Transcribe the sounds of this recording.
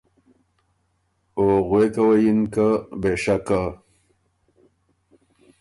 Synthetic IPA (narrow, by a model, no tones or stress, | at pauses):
oɣwekawajinkabeʂaka